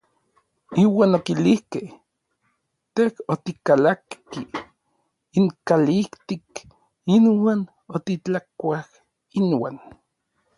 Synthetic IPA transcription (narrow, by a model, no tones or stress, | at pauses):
iwaːnokilihkeh | t̪ehot̪ikalakki | iŋkalikt̪ik | inwaːn | ot̪it͡ɬakʷah | inwaːn